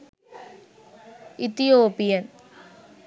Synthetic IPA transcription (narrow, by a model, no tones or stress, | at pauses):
it̪ijoːpijɐn